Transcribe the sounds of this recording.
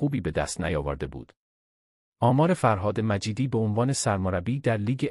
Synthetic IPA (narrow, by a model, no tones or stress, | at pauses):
uːbiːbe̞d̪æ̰st̪næ̰jɒːvo̰ɾd̪e̞bṵːd̪̥ | ʔɒːmɒːɾe̞fæɾɦɒːd̪e̞mæd͡ʒiːd̪iːbeonvɒːne̞sæɾmoɾæbiːd̪æɾliːɡe